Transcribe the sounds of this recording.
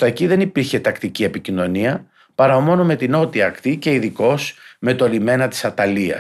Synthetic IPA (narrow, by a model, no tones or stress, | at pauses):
t̪ɐeciðe̞nipiɾçe̞t̪ɐkt̪iciepicino̞niɐ | pɐɾɐomo̞no̞me̞t̪ino̞t̪iɐkt̪ice̞iðiko̞sme̞t̪o̞lime̞nɐt̪i̥sɐt̪ɐliɐ̰